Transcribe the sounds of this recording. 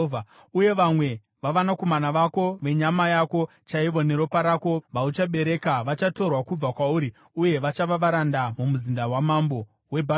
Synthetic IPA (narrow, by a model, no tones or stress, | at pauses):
uje̞ʋamwe̞ | ʋaʋanako̞manaʋako̞ʋe̞ɲamajako̞ | t͡ʃaiʋo̞ne̞ɾo̞paɾako̞ʋaut͡ʃaɓe̞ɾe̞kaʋat͡ʃato̞rwakub͡vakwauːɾi | uje̞ʋat͡ʃaʋaʋaɾandamumuzindawamambo̞ | we̞bʱa